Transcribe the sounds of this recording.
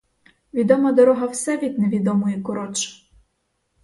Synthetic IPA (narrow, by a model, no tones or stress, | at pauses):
ʋʲid̪ɔmɐd̪ɔɾɔɦɐwsɛʋʲid̪neʋʲid̪ɔmʊjɛkɔɾɔt͡ʃ